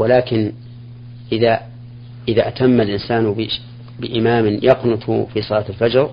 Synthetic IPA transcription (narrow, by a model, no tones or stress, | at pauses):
walaːkɪn | ʔɪða | ʔɪðaʔat̪amːalʔɪnsaːnb | bɪʔɪmaːmɪnjɑqnʊt̪ˤfisˤɑlaːt̪alfad͡ʒɾ